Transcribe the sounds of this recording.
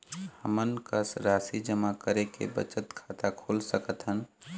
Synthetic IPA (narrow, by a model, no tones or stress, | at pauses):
həmənkəsɾasid͡ʒəmakəɾekḛbə̰t͡ʃət̪kʰat̪akʰolsəkət̪ɦən